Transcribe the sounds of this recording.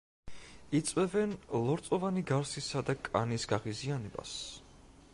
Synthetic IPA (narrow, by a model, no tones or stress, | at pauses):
it̪sʼwɛvɛnlˠɔɾt̪sʼɔvaniɡaɾsisad̪akʼa̰nisɡ̥aʁizianɛba̰s